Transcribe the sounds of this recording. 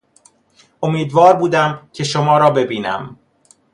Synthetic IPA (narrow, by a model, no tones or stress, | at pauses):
ʔomiːd̪vɒːɾbuːd̪æmcʰe̞ʃomɒːɾɒːbe̞biːnæ̰m